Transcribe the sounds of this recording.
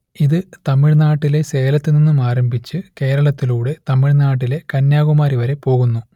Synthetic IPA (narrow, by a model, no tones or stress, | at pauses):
iðɨt̪ɐmːiɻnaːʈːile̞se̞ːlɐt̪ːininːumaːɾɐmbʱit͡ɕːɨke̞ːɾɐɭɐt̪ːiluːɽe̞t̪ɐmːiɻnaːʈːile̞kɐnjaːɣumaːɾiʋɐɾe̞po̞ːɣunːu